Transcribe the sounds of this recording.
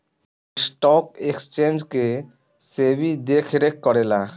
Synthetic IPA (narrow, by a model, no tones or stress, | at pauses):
sʈɔkekst͡ɕend͡ʑke | sebʱid̪ekʰɾekːɔɾela